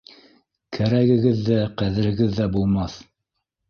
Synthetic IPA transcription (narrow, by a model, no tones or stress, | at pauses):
kʰæɾæɡɘ̆ɡɘðːæqæðɘ̆ɾhɘ̆ɡɘðːæbulˠmɑθ